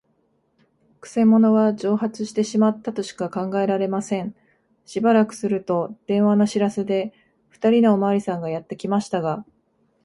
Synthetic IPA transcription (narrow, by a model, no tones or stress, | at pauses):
kɯ̟̥se̞mo̞no̞βad͡ʑo̞ːhat͡sɨɕi̥t̪e̞ɕimat̪ːat̪o̞ɕi̥kakãŋɡae̞ɾaɾe̞masẽ̞ɴ | ɕibaɾakɯ̟̥sɨɾɯ̟t̪o̞d̪̥ẽ̞ɰ̃βanoɕiɾase̞d̪e̞ | ɸɯ̥t̪aɾʲino̞ːmaɾʲisãŋɡajat̪ːe̞kʲimaɕi̥t̪aɡa